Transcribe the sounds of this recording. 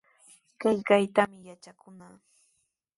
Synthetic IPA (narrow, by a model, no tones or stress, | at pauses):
kajkajt̪amɪjat͡ʃakʊnaː